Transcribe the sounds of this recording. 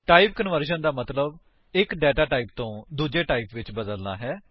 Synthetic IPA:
ʈaːip̚kənʋəɾʃənd̪aːmət̪ləb | ɪkɖɛːʈaːʈaːiːp̚t̪õːd̪uːd͡ʒeːʈaːipʋɪt͡ʃbəd̪əlna̰ːɦɛː

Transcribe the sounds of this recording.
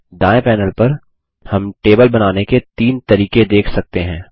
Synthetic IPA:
ɖaːepɛːnəlpɐɾ | hɐmʈeːbəlbɐnaːneket̪iːnt̪ɐɾiːked̪eːkʰsɐk̚t̪eɦɛ̃ː

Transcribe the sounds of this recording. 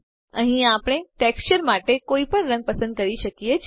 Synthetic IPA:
ə̃ɦĩapɽ̃eʈekst͡ɕəɾmaʈekoipəɳɾə̃ŋɡ̚pəsə̃nd̪̚kəɾiʃəkiet͡ʃʰ

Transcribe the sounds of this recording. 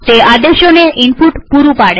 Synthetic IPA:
sead̪eʃoneʔimpuʈpuɾupaɽe

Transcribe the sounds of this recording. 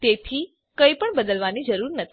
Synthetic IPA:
t̪et̪ʰi | kəipəɳbəd̪əlʋanid͡ʒəɾuɾnət̪ʰ

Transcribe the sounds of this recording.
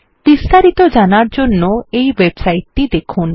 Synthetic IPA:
b̥ist̪aɾit̪od͡ʑanaɾd͡ʑonːoejwebsajʈːid̪ekʰun

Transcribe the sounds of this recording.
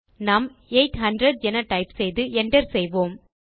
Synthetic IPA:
naːm | eɪʈhɐɳɖɾɐɖ̚d͡ʒɛnɐʈɐɪpsɛjðɯʔɛnɖɐɾsɛjʋoːm

